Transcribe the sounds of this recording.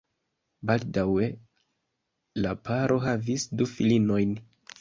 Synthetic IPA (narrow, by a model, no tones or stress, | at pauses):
baldawe̞ | lapʰaɾʔo̞ɦavisdufilino̞jn